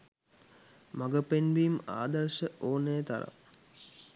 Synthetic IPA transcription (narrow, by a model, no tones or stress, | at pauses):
maɡəpenʋima̰ːd̪əɾʃəoːnəjət̪a̰ɾa̰